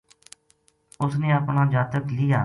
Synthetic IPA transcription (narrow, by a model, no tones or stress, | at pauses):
ʊsnẽːəpnãːd͡ʒaːt̪əklɪjaː